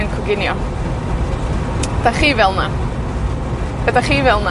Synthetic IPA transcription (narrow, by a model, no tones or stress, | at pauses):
ənkʰʊɡɪnjɔ | d̥aχiːvɛlˠna | b̥ədaχiːvɛlˠna